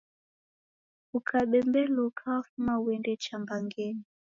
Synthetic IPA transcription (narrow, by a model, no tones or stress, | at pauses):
ukʰaɓɛmbɛluukʰawafumauwɛndɛt͡ʃambaŋɡɛni